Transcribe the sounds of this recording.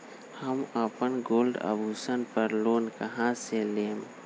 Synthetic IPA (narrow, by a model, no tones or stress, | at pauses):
həmapənɡoːlɖa̰bʱuːsənpəɾloːnkəɦãseleːm